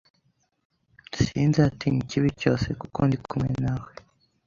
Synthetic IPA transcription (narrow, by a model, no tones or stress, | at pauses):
nsinzeatiŋiciβico̞ːse̞kukondikʰumŋḛnawe